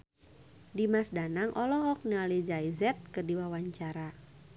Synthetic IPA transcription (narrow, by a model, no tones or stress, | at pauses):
dimasdanaŋʔɔlɔɦɔk̚nialid͡ʒaizɛt̪̚kərdiwawaɲt͡ʃaɾa